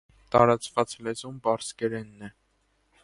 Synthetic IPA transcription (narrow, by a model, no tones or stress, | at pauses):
t̪ɑɾɑt͡svɑt͡slɛzumbɑɾskɛɾɛnːɛ